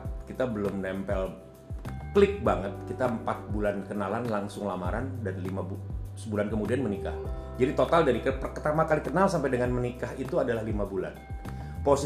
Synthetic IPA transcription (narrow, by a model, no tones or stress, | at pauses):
t̚kit̪abəlʊmnɛmpɛl | klɪk̚baŋət̪̚kit̪aəmpat̪̚bulankənalanlaŋsʊŋlamaɾandanlimabusəbulankəmudianmənika̰hd͡ʒadit̪ot̪aldaɾikəpərkt̪amakalikənalsampajdəŋanmənikaɦit̪uadalahlimabula̰n | posi